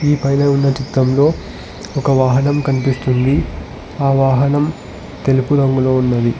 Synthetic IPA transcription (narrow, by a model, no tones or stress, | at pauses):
iːpɐjnɐunːɐt͡ʃit̪ːɾɐmlo̞ː | ɔkɐʋaːɦɐnɐmkɐnipist̪und̪i | aːʋaːɦɐnɐm | t̪e̞lupud̪ɐŋɡulo̞ːunːɐd̪i